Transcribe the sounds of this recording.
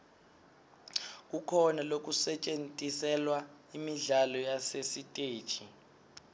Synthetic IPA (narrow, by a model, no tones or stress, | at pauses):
k̬ukʰɔnalok̬ʼusɛt͡ʃʼentʼisɛlwa | imiɮalɔjasesitʼeːd̥t͡ʃʰʼi